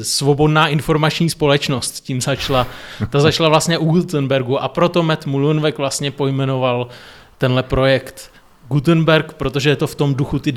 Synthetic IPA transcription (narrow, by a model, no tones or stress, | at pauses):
svo̞bo̞dnaːʔɪnfo̞ɾmat͡ʃɲiːspo̞lɛt͡ʃno̞st̪ciːmzat͡ʃlat̪azat͡ʃlavlast̪ɲɛʔuɡult̪ənbɛɾɡuʔapɾo̞t̪o̞mɛt̪mulunvɛkvlast̪ɲɛpo̞jmɛno̞val | t̪ɛnlɛpɾo̞jɛkt̪ | ɡut̪̬ənbɛɾkpɾot̪o̞ʒɛjɛt̪o̞ft̪o̞mduxut̪ɪ